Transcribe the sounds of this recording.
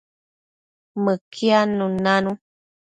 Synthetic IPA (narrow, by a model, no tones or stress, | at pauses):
məkianũnanũ